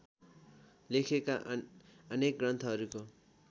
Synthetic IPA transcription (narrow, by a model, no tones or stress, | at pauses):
lekʰeka | ʌnek̚ɡrʌnt̪ʰʌɦʌɾuko